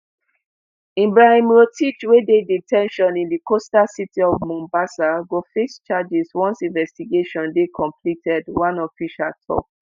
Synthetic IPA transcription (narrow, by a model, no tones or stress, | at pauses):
ĩmbɹahĩmɹotʰit͡ʃwededitʰɛ̃nʃɔ̃nĩndikostasitiɔvmɔ̃mbasaɡofest͡ʃad͡ʒiswɔ̃nsĩnvɛstiɡeʃɔ̃ndekʰɔ̃mpʰlitɛdwãnɔfiʃatʰɔ̰p̚